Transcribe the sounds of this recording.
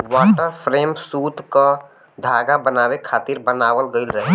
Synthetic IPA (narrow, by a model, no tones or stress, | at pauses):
waʈəɾpʰɾeːmsut̪kə | d̪ʱaɡabənabekʰaːt̪iɾbənaːwəlɡəɪlɾəɦɛ